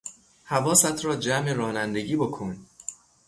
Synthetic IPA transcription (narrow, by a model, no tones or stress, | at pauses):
hævɒːsæt̪ʰɾɒːd͡ʒæmeɾɒːnænd̪e̞ɟiːbo̞kʰon